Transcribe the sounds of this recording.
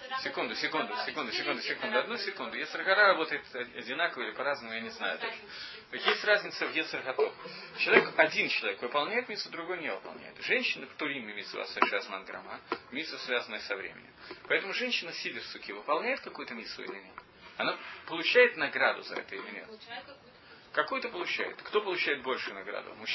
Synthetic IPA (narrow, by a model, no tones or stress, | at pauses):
sʲɪkund̪ʊsʲɪkund̪ʊsʲɪkund̪ʊsʲɪkund̪ʊsʲɪkund̪ʊɐd̪nusʲɪkund̪ʊjʲɛt̪sərɣɐt̪aɾɐbo̞t̪əɪt̪ɐɐdʲɪnakəvəilʲɪpɐɾaznəmʊjanʲɪzna̰jʊt̪aʐə | jesʲtʲrazʲnʲɪt̪səvjet̪sɨrɣɐt̪oxt͡ɕɪlˠɐvʲekɐdʲint͡ɕɪlˠɐvʲekvɨpɐlˠnʲæjɪt̪mʲisʊd̪ɾʊɡo̞jənʲevɨpɐ̰lˠnʲæ̰jɪt̪ʐɛnʲɕːɪnəft̪ʊɾʲimmʲɪmʲit̪sa̰sɨʂazmanɡɾɐ̰mamʲisvəsvʲazənəjəsɐvɾʲḛmʲɪ̰nʲɪ̰mpɐɛt̪əmʊʐɛnʲɕːɪnəsʲidʲɪrsʊkʲivɨpɐlˠnʲæjɪt̪̚kɐkujʊt̪əmʲisʊ̰ḭlʲɪnʲet̪ | ɐnapəlˠʊt͡ɕæjɪt̪nɐɡɾad̪ʊ̰zɐ̰ɛ̰t̪əɪlʲɪnʲe | kɐkujʊt̪əpəlˠʊt͡ɕæ̰jɪ̰t̪kt̪o̞pəlˠʊt͡ɕæjɪt̪̚bo̞lʲʂʊjʊnɐɡɾa̰d̪ʊ̰mʊ